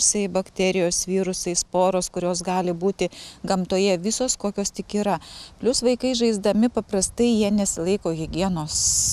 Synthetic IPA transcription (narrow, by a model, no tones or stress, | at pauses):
sɐɪbɐkt̪ʲɛɾʲɪjoːsʋʲiːɾʊsɐɪspoːɾoːskʊɾʲoːsɡɑːlʲɪbuːt̪ʲɪɡɐmt̪oːjɛʋʲɪsoːskoːkʲoːst̪ʲɪkiːɾɐpʲlʲʊsʋɐɪkɐɪʒɐɪzd̪ɐmʲɪpɐpɾɐst̪ɐɪjiɛnʲɛsʲɪlˠɐɪkoːɣʲɪɡʲiɛnoːs